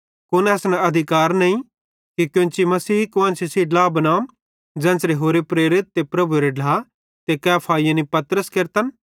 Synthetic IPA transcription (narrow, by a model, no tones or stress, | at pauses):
kʊnɛːsnaɐd̪ʱɪkaːɾnɐĩ | kikjõt͡ʃimɐsiːkʊɐ̃ːnsisiːɖlaːbɐnaːm | d͡ʒɛ̃ːnsɾeɦoːɾepɾeːɾɪt̪̚ːepɾɐbuɾeɖlaː | t̪ekɛːpʰaːijanipɐt̪ɾəskeɾt̪ən